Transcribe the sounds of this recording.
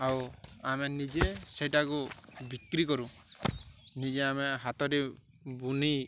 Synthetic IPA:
awamenid͡ʒesɛʈakubikɾikɔɾu | nid͡ʒeameɦat̪ɔɾi | buni

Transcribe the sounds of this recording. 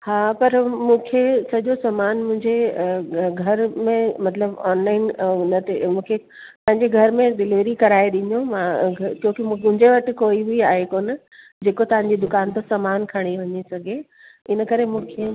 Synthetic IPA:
haːpɐɾmũːkʰesɐʄosɐmaːnmʊ̃ɦɪ̃ɲd͡ʑe | ɡʱɐɾmẽmɐt̪ləbɔːnlaːɪnnɐt̪ʰemũːkʰe | pɐ̃ɦɪ̃ɲd͡ʑeɡʱɐɾmẽɖɪlɪʋɾikɐɾaːeɗ̪ɪ̃ɲomãɡʱkjõːkɪmũːʊ̃ɦɪ̃ɲd͡ʑeʋɐʈɪ̆koːiɦiaːɦekoːn | d͡ʑeːkot̪ɐʋ̤ãɲ̆d͡ʑid̪ʊkaːnt̪õsɐmaːnkʰɐɽ̃iʋɐɲisɐɡʱe | ɪnəkɐɾemũːkʰe

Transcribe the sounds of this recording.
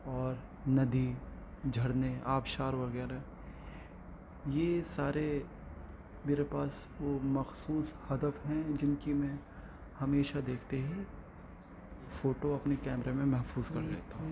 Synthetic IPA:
ɔːɾ | nɐd̪i | d͡ʒʱɐɽneaːpʃaːɾʋɐɣɛːɾaɦɛ | jesaːɾe | meːɾepaːsʋomɐxsuːshɐd̪əfɦɛ̃d͡ʒɪnkimɛ̃ | hɐmeːʃad̪eːkʰt̪eɦɛ̃ | foːʈoɐpnekɛːmɾemẽmɛɦfuːzkɐɾleːt̪aɦũː

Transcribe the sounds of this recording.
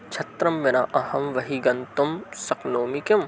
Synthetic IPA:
t͡ʃʰɐt̪ɾɐmːenaʔɐhɐmʋɐɦiɡɐnt̪ɐmsɐknoːmikɐm

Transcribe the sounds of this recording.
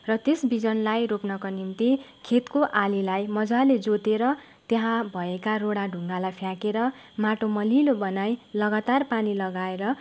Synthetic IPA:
rʌt̪esbid͡zʌnlajropnʌkanint̪ikʰet̪koʔalilajmʌd͡zaled͡zot̪eɾʌ | t̪eɦãbʱʌekaroɽaɖʱuŋɡalajpʰjakeɾʌmaʈomʌlilobʌnajlʌɡat̪arpanilʌɡaeɾʌ

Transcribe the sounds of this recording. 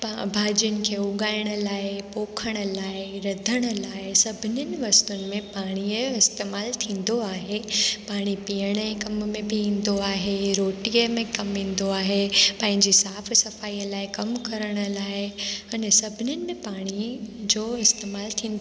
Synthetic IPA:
pabʱaːd͡ʑiənɪ̆kʰeːʊɡaːɪɽ̃ə̆laːɪpoːkʰəɽ̃ə̆laːɪɾɐd̪ʱəɽ̃ə̆laːɪsɐbʱɪnənɪ̆ʋɐst̪ʊnɪ̆mẽpaːɽ̃iəɪst̪eːmaːlt̪ʰĩːn̆d̪oaːɦepaːɽ̃ipijəɽ̃əẽkɐmmẽbʱɪĩːn̆d̪oaːɦeɾoːʈiəmẽkɐmʋĩːn̆d̪oaːɦepɐ̃ɦɪ̃ɲd͡ʑisaːfsɐfaːijəlaːɪkɐmkɐɾəɽ̃ə̆laːɪɐnɛsɐbʱɪnjənɪ̆mẽpaːɽ̃id͡ʑoːɪst̪eːmaːlt̪ʰĩːnd̪

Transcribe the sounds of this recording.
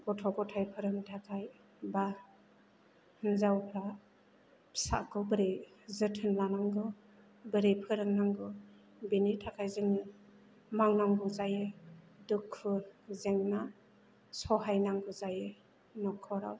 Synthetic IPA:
bɔtʰɔɡɔtʰajpʰɯɾɯŋtʰakʰaj | ba | hnzawpʰɾa | pʰsa̰kɔbɯɾejzɯtʰɯnlanaŋɡɯ | bɯɾejpʰɯɾɯŋnaŋɡɯ | binitʰakʰajzɯŋɯ | mawnaŋɡɯzaje | dukʰːɯzeŋna | sɔɦajnaŋɡɯzaje | nɔkʰɔɾa̰w

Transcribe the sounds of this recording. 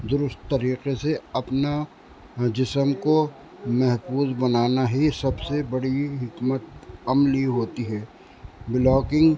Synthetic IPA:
d̪ʊɾʊst̪ːɐɾiːqeseɐpna | d͡ʒɪsəmko | mɛɦfuːzbɐnaːnaɦisɐbsebɐɽiɦɪkmət̪̚ɐmliɦoːt̪iɦɛː | bɪlɔːkɪ̃ŋɡ

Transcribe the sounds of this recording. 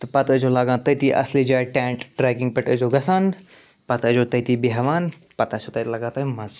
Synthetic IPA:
t̪ɨpɐt̪ət͡ʃʰoːlɐɡãːt̪ɐt̪ʰiːʔɐ̰sliːd͡ʒaːʈɛ̃ːʈʈɾeːkĩŋɡ̚pɐʈəd͡ʒoːɡɐsaːn | pɐt̪əd͡ʒoːt̪ɐjt̪ibiɦɐʋaːn | pɐt̪at͡ʃʰot̪ɐt̪lɐɡãːt̪ɐmɐz

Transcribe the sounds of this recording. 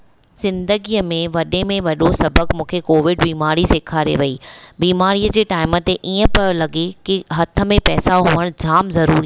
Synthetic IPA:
z̥ɪ̃nd̪əɡijəmẽʋɐɗemẽʋɐɗosɐbəkmũːkʰekoːʋɪɖbiːmaːɾiseːkʰaɾḛʋɐiːbiːmaːɾijəd͡ʑeːʈaːɪmət̪eʔiːə̃pɐjolɐɠekiɦɐt̪ʰə̆mẽpɛːsaɦuːʋəɽ̃d͡ʑʱaːmzɐɾuːɾi

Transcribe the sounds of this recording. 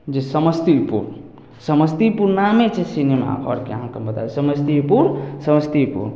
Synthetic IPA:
d͡ʒesəməst̪iupṵɾ | səməst̪ipuɾnamet͡ʃʰesinema̰kɔ̰ɾkeɦãkembət̪a̰esəməst̪iupuɾsəməst̪ipṵɾ

